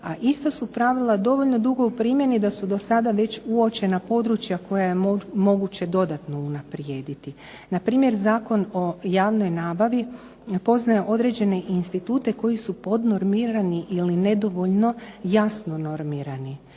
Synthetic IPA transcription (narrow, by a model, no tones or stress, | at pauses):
aʔist̪osupɾaʋilˠad̪o̞ʋo̞ʎno̞d̪uɡo̞upɾiːmje̞nid̪asud̪o̞sad̪aʋe̞t͡ɕuo̞t͡ɕe̞napo̞d̪ɾut͡ɕjako̞jaje̞omo̞ɡut͡ɕe̞d̪o̞d̪at̪no̞unapɾje̞ːd̪it̪i | napɾiːmje̞ɾzaːko̞no̞jaːʋno̞jnaːbaʋi | po̞znajeʔo̞d̪ɾe̞d͡ʑe̞ne̞ʔinst̪it̪uːt̪e̞ko̞jisupo̞d̪no̞ɾmiɾaniʔiline̞d̪o̞ʋo̞ʎno̞jasno̞no̞ɾmiːɾani